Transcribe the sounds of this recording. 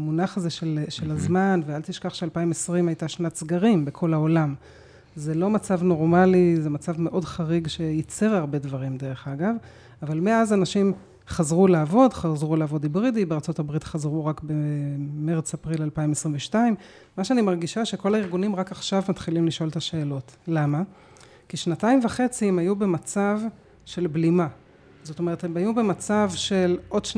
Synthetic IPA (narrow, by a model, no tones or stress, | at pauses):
munaχazeʃelʃelazmanvealt̪iʃkaχʃealpaimesʁimajt̪aʃnatsɡaʁimbe̞kʰo̞laolam | ze̞lo̞mat͡savno̞ʁmalizemat͡savme̞ʔo̞dχaʁiɡʃe̞jit͡seʁaʁbe̞dvaʁimde̞ʁe̞χaɡav | avalmeazanaʃim | χazʁulaavo̞dχazʁulaːvo̞dibʁidibeʁt͡so̞tabʁitχazʁuʁakbeme̞ʁet͡sapʁilalpaimesʁimveʃtaim | maʃeanimaʁɡiʃaʃe̞kolaiʁɡunimʁakaχʃavmatχilimliʃo̞ltaʃe̞ːlo̞tlama | kiʃnataimvaχe̞t͡siemajube̞mat͡sav | ʃe̞lblima | zo̞to̞me̞ʁethemajube̞mat͡savʃe̞lʔo̞dʃ